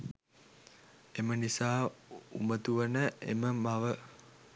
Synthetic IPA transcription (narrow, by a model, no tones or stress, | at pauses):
emənisaːumət̪uʋənəḛməmaʋə